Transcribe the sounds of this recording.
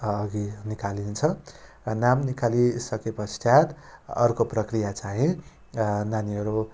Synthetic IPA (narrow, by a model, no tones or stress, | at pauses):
ʌɡinikalint͡sʰʌrʌnamnikalisʌkepʌst̪at̪ʌ̰rkoprʌkrijat͡saɦĩ | naniʌɾu